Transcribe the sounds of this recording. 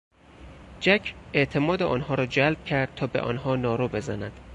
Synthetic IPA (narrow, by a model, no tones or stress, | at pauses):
d͡ʒæcʰe̞ʔt̪ʰe̞mɒːd̪eʔɒːnhɒːɾɒːd͡ʒælb̥̚cʰæɾd̪̥̚t̪ʰɒːbe̞̰ʔɒ̰ːnhɒːnɒːɾoːbe̞zænæd̪̥